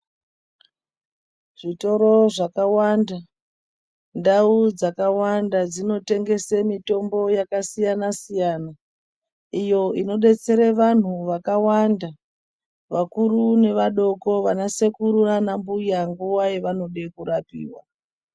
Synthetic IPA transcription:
ʐ̥ito̞ɾo̞ʐakawanda | ndaud͡zakawandad͡zino̞te̞ŋɡe̞semito̞mbo̞jakasijanasijaːna | ijo̞ino̞ɗe̞t͡se̞ɾeʋan̤uʋakawanda | ʋakuɾune̞ʋaɗo̞ko̞ʋanasekuɾuranambujaŋɡuwajeʋano̞ɗe̞kuɾapḭːwa

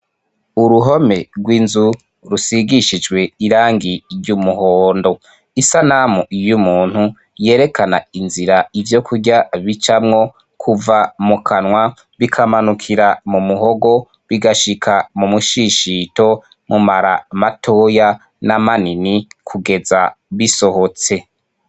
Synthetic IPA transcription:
uɾuɦo̞me̞ɾɡwiːnzu | ɾusiɡiʃid͡ʒɡwe̞iɾaːŋɡiɾjumuhoːndo̞ | isanamuijumuːn̥hu | je̞ːɾe̞kanainziɾaivjo̞kʰuɟaβit͡ʃamŋo̞ | kʰuvamukʰanŋwa | βikʰamanukʰiɾamumuɦo̞ɡo̞ | βiɡaʃikʰamumuʃiʃito̞ | mumaɾamatʰo̞ːja | namaninikʰuɡe̞zaβiso̞hot͡se̞

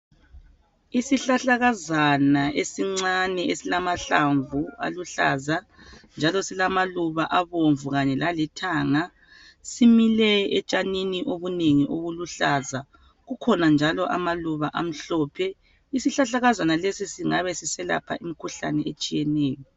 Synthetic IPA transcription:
isiɬaɬaɣazanaʔesiŋ͡ǀanɛʔesilamaɬaɱvua̰luɬa̰za | nd͡ʒʱalɔsilamaluβaʔaβoɱvuɣaɲɛlalitʰaːŋa | similɛɛt͡ʃʼaniniʔoβuneŋiʔoɣuluɬaːza | ɣukʰɔnand͡ʒʱalɔʔamaluβaʔam̩ɬɔːpʰɛ | isiɬaɬaɣazanalesisiŋaβɛsisɛla̰pʰa̰ʔimikʰuɬa̰nɛet͡ʃʼijɛnɛːjɔ

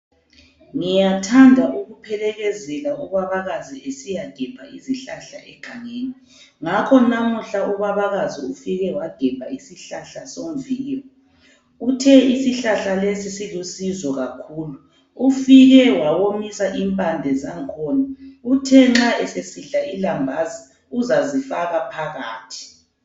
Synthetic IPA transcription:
ŋijatʰandʱaʔuɣupʰɛlɛɣɛzɛlauβaβaɣaziesijad̥ʱɛb̥ʱa̰ʔiziɬaɬa̰ʔɛɡ̥ʱaŋeːni | ŋakʰɔnamuɬauβaβaɣaziufiɣɛwad̥ʱɛb̥ʱaisiɬaɬasom̩viːjɔ | utʰɛisiɬaɬalesisilusizɔɣakʰuːlu | ufiɣɛwawomisaʔimpʼandʱɛzaŋkʰɔːnautʰɛŋ͡ǁaɛsesiɬailambʱazi | uzazifaɣapʰaɣaːtʰi̥

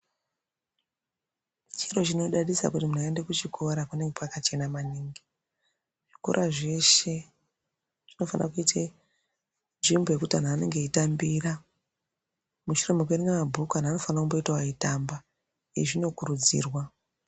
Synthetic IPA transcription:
t͡ʃiro̞t͡ʃino̞ɗaɗisa̰kutimun̤aendekut͡ʃikʰo̞ɾakune̞ŋɡepakat͡ʃe̞namaniːŋɡi | ʐ̥iko̞̰ɾʔaʐe̞ʃe | ʐ̥ino̞fanakuite | nʐimboje̞kutan̤aːne̞ŋɡe̞itambira | muʃure̞me̞kweɾiŋɡamabʱukanano̞fanakumbo̞itawaitamba | ieʐino̞kurud͡zḭːrwa

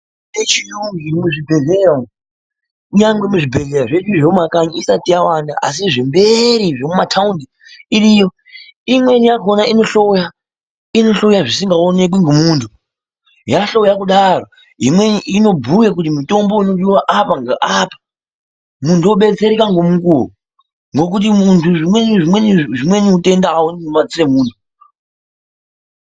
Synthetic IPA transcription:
et͡ʃijuŋɡimuʐibʱe̞ɮeo | ɲaŋɡwe̞muʐibʱe̞ɮe̞ɾaʐet͡ʃiʐeumakaɲiisatijawanda̰a̰s̬iʐembe̞ɾiʐemumatʰaundi | irijo̞ | imwe̞nijakonaino̞ɬo̞ja | ino̞ɬo̞jaʐisiŋɡaone̞k̬wiŋɡomuːntʰu | jaɬo̞jakuɗaro | ɦḭmweiino̞bʱujek̬utimuto̞mbo̞ino̞ɗiwaʔapaŋɡaʔapḁ | muntʰuoɓe̞t͡se̞ɾikaŋɡomukuo̰ | ŋɡo̞k̬ut̬imuntʰuʐimweniʐimweniʐimwe̞niute̞ndaːwoninomad͡ziremuːntʰu

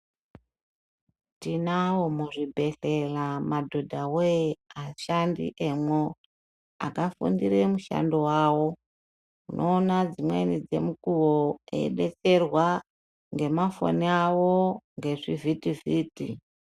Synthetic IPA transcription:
tinawomuʐibʱe̞ɬelamadʱo̞dʱaweaʃandḭʔemwo | a̰kafṵndiɾemuʃa̰ndowaːwo̞ | unʔoːnad͡zimwḛnid͡ze̞̰mukuwoḛiɓe̞t͡se̞rwa | ŋɡe̞mafo̰niawoŋɡe̞ʐivitiviːtḭ

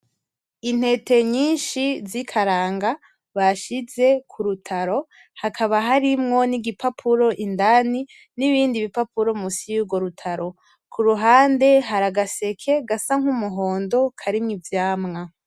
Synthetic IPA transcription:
in̥he̞te̞ɲiːnʃizikʰaɾaːŋɡa | βaʃize̞kʰuɾutʰaɾo̞ | hakʰaβaɦaɾimŋo̞niɡipʰapʰuɾo̞ʔindani | niβiːndiβipapuɾo̞musijuːɡo̞ɾutʰaɾo̞ | kʰuɾuɦaːnde̞ɦaɾaɡase̞kʰe̞ɡasaŋ̥humuɦo̞ːndo̞kʰaɾimŋivjaːmŋa

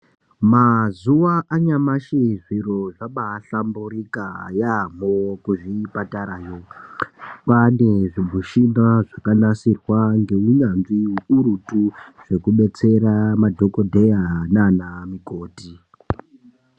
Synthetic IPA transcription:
mazuʋaʔaɲamaʃiʐiɾoʐaɓaɬambuɾikajamokuʐipataɾaːjo | paneʐimuʃimbaʐakanasirwaŋɡe̞uɲanziuɾutuʐ̥e̞kuɓe̞t͡se̞ɾamadʱo̞ko̞dʱejananamiko̞ːti

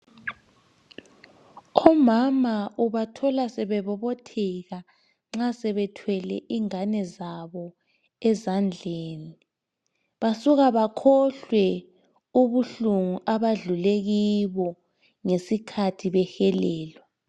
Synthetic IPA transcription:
ɔmamaʔuβatʰɔlasɛβɛβɔβotʰɛɣa | ŋ͡ǁasɛβɛtʰwɛlɛ̰ʔiŋanɛzaβɔ | ɛzand͡ɮʱeːni | βasuɣaβakʰɔɬwɛ | uβuɬuŋuʔaβaɮuleɣiβɔ | ŋesikʰatʰiβɛxɛlɛːlwɛ

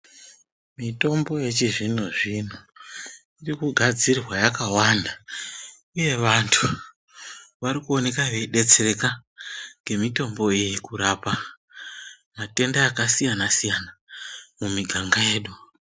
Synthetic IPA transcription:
mito̞mbo̞je̞t͡ʃiʐin̤uʐin̤u | irikuɡʱad͡zirwajakawanda | uje̞ʋantʰu | ʋaɾikuo̞ne̞kaʋeiɗe̞t͡sere̞kaŋɡe̞mito̞mbo̞ijikuɾapa | mate̞ndaːkasijanasijanamumiɡʱaŋɡaje̞ːɗu

